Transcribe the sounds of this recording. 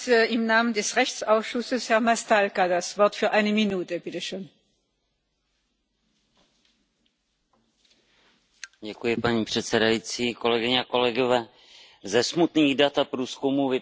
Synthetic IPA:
ɪmnaːməndɛsʁɛçt͡saʊsʃʊsəshɛɐmastalkadasv̥ɔɐtfyːɐʔaɪnəminuːtəbɪtəʃøːn | ɟɛkujɪpaɲiːpr̝̥ɛt̪t͡sɛdajit͡siːko̞lɛɡɪɲɛako̞lɛɡovɛː | zɛsmut̪niːɣdat̪apɾuːskumuːvɪ

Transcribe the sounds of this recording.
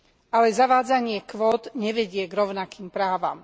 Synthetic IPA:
alɛzaʋaːd͡zaɲɪɛkʋɔːd̪ɲɛʋɛɟɪɛɡɾɔʊnakiːmpɾaːʋa̰m

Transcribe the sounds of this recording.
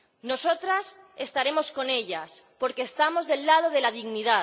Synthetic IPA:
no̞so̞t̪ɾas | e̞st̪aɾe̞mo̞sko̞ne̞ʎaspo̞ɾkeːst̪amo̞zðe̞lːað̞o̞ð̞e̞lað̞iɣniða

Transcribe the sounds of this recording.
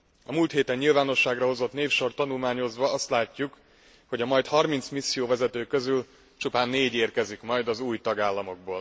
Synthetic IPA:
ɒmuːlt̪heːt̪ɛɲːilvaːno̞ʃːaːɡrɒɦo̞zo̞t̪neːfʃo̞rt̪ɒnulmaːɲo̞zʋɒɒst̪laːcːuk | ho̞ɟɒmɒjt̪hɒrmint̪smisːijoːvɛzɛt̪øːkø̞zyl | t͡ʃupaːnːeːɟeːrkɛzikmɒjd̪ɒzuːjt̪ɒɡaːlːɒmo̞ɡ̚bo̰ːl

